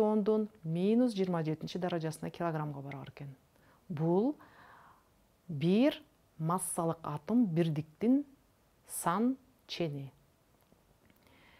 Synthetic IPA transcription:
o̞nd̪unmʲinus̬d͡ʒijɾmɑd͡ʒe̞t̪int͡ʃid̪ɑɾɑd͡ʒɑsənɑkʲʰɪlˠoɡramʁɑbɑɾɑ̰ɾeken | bulˠ | biɾ | mɑsːɑlˠəqɑt̪ɯmbiɾd̪ɪk̚t̪in | sɑn | t͡ʃʰe̞ni

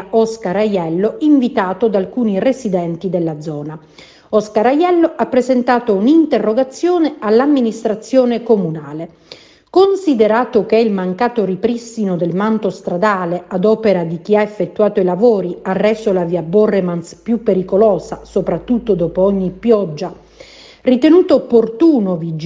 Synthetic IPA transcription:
ɔskaɾajɛlːoiɱvit̪aːt̪od̪alkuːniresid̪ɛnt̪id̪elːad̪zːɔːna | ɔskaɾajɛlːoʔapːɾezent̪aːt̪ounint̪erːoɡat̪sːjɔːnealːamːinist̪ɾat̪sːjɔːnekomunaːle | konsid̪eɾaːt̪okɛilmaŋkaːt̪oripɾisːinod̪elmant̪ost̪ɾad̪aːlead̪ɔːpeɾad̪ik̟iaefːet̪ːuaːt̪oilavoːɾiarːɛsolaviabɔremanspjupːeɾikolɔːsasopɾat̪ːut̪ːod̪ɔːpoɔɲːipːjɔd͡ʒːa | rit̪enuːt̪oːpːort̪uːnovid͡ʒ

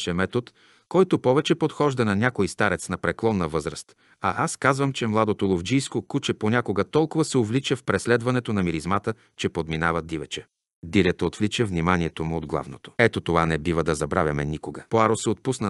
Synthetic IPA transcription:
ʃɛmɛt̪ot̪ | kɔjt̪ʊpɔvɛt͡ʃɛpot̪xɔʒd̪ɐnɐnʲjakojst̪aɾɛt̪snɐpɾɛklˠɔnːɐvɤzɾəst̪ | ɐ̰ʔaskazvəmt͡ʃɛmlˠad̪ot̪olˠovd͡ʒijskokut͡ʃɛponʲakoɡət̪ɔlˠkʊvɐsɛovlit͡ʃɛfpɾɛslɛd̪vɐnɛt̪onɐmiɾizmat̪ə | t͡ʃɛpod̪minavɐd̪ivɛt͡ʃɛ | d̪iɾʲət̪ot̪vlit͡ʃəvnimaniɛt̪omʊod̪ɡlˠa̰vno̰t̪o̥ɛt̪ot̪ovanɛbivəd̪ɐzɐbɾa̰vʲjɐmɛnikoɡəpoaɾosɛot̪̚pusnə

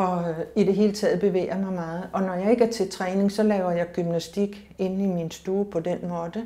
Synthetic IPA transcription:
ɒ̽id̥e̝ɦe̝ːlət͡sʰɛ̰ːð̞̩ˠb̥e̝ʋḛːɐmɑ̈ɪmɑ̈ːð̞̩ˠʔɒ̽nɒ̽jɑ̈ɪe̝ɡ̥əæɐt͡sʰe̝t͡sʰʁɛːne̝ŋsɒ̽lɛːʊɐjɑ̈ɪɡ̥ymnæsd̥iɡ̥ | e̝nn̩iminsd̥uːpʰɒ̽d̥enmɔːðˠə

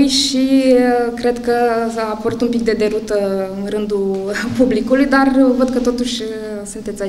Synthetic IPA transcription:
jʃiəkɾe̞d̪kəafəɾut̪umpik̚d̪e̞d̪e̞ɾut̪əɨnrɨnd̪upublikulujd̪arvəd̪̚kət̪o̞t̪uʃʲ | sunt̪e̞t̪sʲa

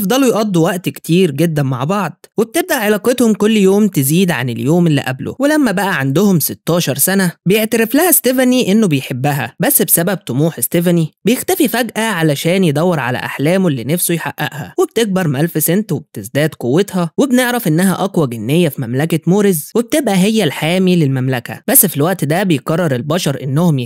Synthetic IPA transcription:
fd̪ˤɑlujʔɑd̪ˤːuwæʔt̪kt̪ʰiːɾɡed̪ːænma̰ʕbɑʕd̪ˤweb̚t̪eb̚d̪æʔʕelɑːqet̪homkolːjoːmt̪eziːd̪ʕa̰neljoːmʔelːḭʔæblo̰welæmːæbæʔæʕand̪ohomset̪ːɑːʃɑɾˤsænæbejeʕt̪æɾeflæhæst̪evæniʔenːobejħebːæɦæbæsːbsæbæb̚t̪ˤomuːħest̪evænibejext̪æfifæɡʔæʕalæʃæːnjed̪ˤæwːeɾˤʕalæ̰ʔa̰ħlæːmlːinæfsojħaʔːæ̰ʔhæ̰webt̪eɡ̚bɑɾˤmælfesent̪web̚t̪ezd̪æːd̪qowːet̪hɑwebneʕɾæfʔenːæɦæʔɑkwɑɡenːejːæfimæmlækemoːɾezweb̚t̪ebʔæɦejːælħaːmilelmæmlækæ̰bæsːfilwæʔt̪id̪æbejekɑrˤːɑɾˤelbɑʃɑɾˤʔenːohom

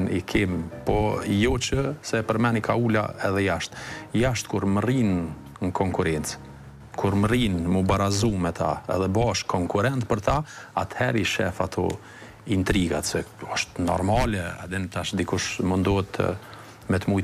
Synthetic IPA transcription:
nikʰimpɔjɔt͡ʃəsɛpəɾmɛnikʰaula̰ɛðɛjaʃt̪jaʃt̪̚kuɾmərin | ŋkʰɔŋkuɾɛnt͡s | kʰuɾmrinmubaɾazumɛt̪ʰa̰ɛ̰ðɛbaʃkɔŋkuɾɛnt̪̚pəɾt̪aat̪hɛɾiʃɛ̰fat̪ʰɔ̰ | int̪ɾiɡat̪sɛɔʃt̪nɔ̰ɾmalɛa̰d̪ɛnt̪aʃd̪ikuʃmənd̪ɔɛt̪ʰ | mɛt̪muj

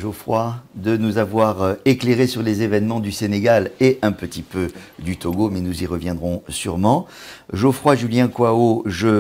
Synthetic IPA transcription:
ʒofχwad̪ənuzavwaʁekleʁesyʁlezevɛnmɑ̃d̪yseneɡaleʔɛ̃pət̪ipød̪yt̪oɡomɛnuziʁəvjɛ̃d̪ʁɔ̃syʁmɑ̃ | ʒofχwaʒyljɛ̃kwaoʒə

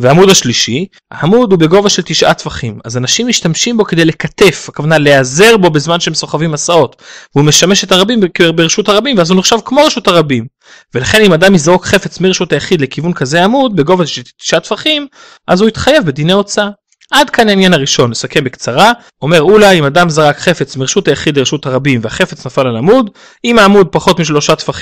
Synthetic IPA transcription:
veamud̪aʃliʃi | a̰ːmud̪hube̞ɡo̞vaʃelt̪iʃʔat̪faχimazanaʃimːiʃtamʃimbo̞kede̞jle̞kate̞fakavanaleaze̞ʁbo̞bezmanʃeemsoχavimasao̞tveume̞ʃameʃetaʁabimkbeʁeʃuthaʁabimveazuniχʃavkmo̞ʁeʃuthaʁabim | ve̞laχe̞nimadamizʁokχefe̞t͡smiʁeʃutajaχid̪lekivunkaze̞amud̪̚beɡo̞vaʃeti̥ʃat̪faχim | ʔazuit̪χaje̞vbed̪ineo̞t͡sa | ʔadkanainjanaʁiʃo̞nlesakembekt͡saʁa | o̞me̞ʁulaimadamzaʁakχe̞fe̞t͡smiʁeʃutajaχidleʁeʃutaʁabimveaχe̞fe̞t͡snafalalamud | imaːmud̪̚paχo̞tmiʃ̬lo̞ʃatfaχi

